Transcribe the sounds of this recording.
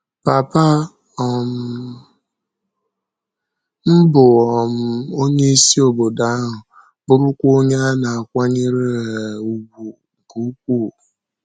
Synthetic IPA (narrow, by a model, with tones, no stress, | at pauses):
pa˨pa˦ | ɔ˨m̩˦ | m̩˦bʊ˨ɔ˨m̩˨o˦ɲe˦i˦si˦o˨bo˨da˦a˦ɦʊ˨ | bʊ˦ɾʊ˦kʷoo˦ɲa˦na˨a˨kʷa˦ɲi˦ɾe˦˨u˨ɡu˨ | bu˨˦u˦kʷu˦˨